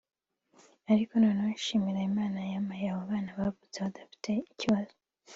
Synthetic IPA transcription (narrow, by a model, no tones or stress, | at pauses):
aɾiko̞nonaaʃimiɾaimaːnajamajaβoβaːnaβavuzeβadafi̥tʰe̞iciβazo